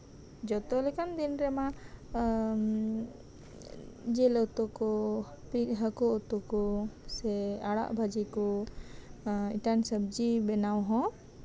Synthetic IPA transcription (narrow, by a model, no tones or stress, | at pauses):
d͡ʒɔt̪ɔlɛkand̪inɾɛma | d͡ʒɛlɔt̪ɔkɔ | piɦəkɔɔt̪ɔkɔsɛaɽa̰ʔbʱad͡ʒikɔ | ḭʈansəb̚d͡ʒibɛnawɦɔ̃